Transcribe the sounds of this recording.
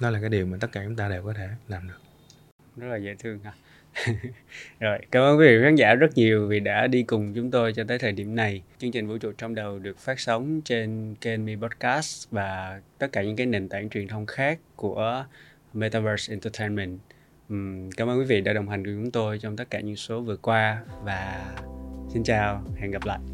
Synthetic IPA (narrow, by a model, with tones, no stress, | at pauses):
nɔ˨˦laː˨˩kaː˨˦jɗi˨˩əwmaː˨˩t̪ə˦˥t̚kaː˧˩t͡ɕʊ˨˦ŋ͡mt̪aː˧ɗe˨˩wkɔ˨˦t̪ʰe˧˩laː˨˩mɗɨ˨˩ə | zə˦˥t̚laː˨˩zə̰˧˥t̪ʰɨ˧əŋ˧ | zo˨˩jkaː˧˩mʔəː˧nkwi˨˦vḭ˧˨˩xaː˨˦˥ŋza̰ː˧˥zə˦˥t̚ɲi˨˩əwvi˨˩ɗa̰ː˧˥ɗi˧kʊ˨˩ŋ͡mt͡ɕʊ˨˦ŋ͡mt̪o˧jt͡ɕɔ˧t̪̬əː˨˦jt̪ʰəː˨˩jɗḭ˧˩əmna˨˩jt͡ɕɨ˧əŋt͡ɕi˨˩ŋ̟vṵ˧˥t͡ɕṵ˧˨t͡ɕɔ˧ŋ͡mmɗə˨˩wɗɨ˨˩ək̚faː˦˥t̚sə˨˦wŋ͡mt͡ɕe˧nke˧nmi˧pɔ˦˥t̚kaː˦˥svaː˨˩t̪ə˦˥t̚kaː˧˩ɲɨ̰˧˥kaː˨˦jne˨˩nt̪aː˧˩ŋt͡ɕwi˨˩ənt̪ʰə˧wŋ͡mxaː˦˥kːu˧˩ə | me˧t̪aː˧vəː˧sʔɛ˧nt̪ə˧t̪ʰə˧jnmɛ˧˨nʔ | kaː˧˩mʔə˧nkwi˨˦vḭ˧˨ɗa̰ː˧˥ɗə˨˩wŋ͡mhɦa˨˩ŋ̟ku˧˩ət͡ɕʊ˨˦ŋ͡mt̪o˧jt͡ɕwŋ͡mt̪ə˦˥t̚kaː˧˩ɲɨ̰˧˥ŋso˨˦vɨ˨˩əkwaː˧vaː˨˩ | si˧nt͡ɕaː˧whɛ̰˧˨nɣa˨˩p̚la̰ː˧˨jʔ